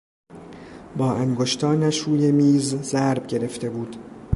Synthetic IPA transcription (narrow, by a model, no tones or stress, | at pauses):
bɒːʔæŋɡoʃt̪ʰɒːnæʃuːjemiːzzæɾbɟe̞ɾe̞ft̪e̞buːd̪̥